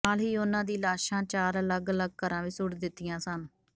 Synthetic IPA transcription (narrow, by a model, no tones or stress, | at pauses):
aːlɦiːʊnãːd̪iːlaːʃãːt͡ʃaːɾələɡələɡ̚kəɾãːʋiːsʊɽd̪ɪt̪ːɪjãːsən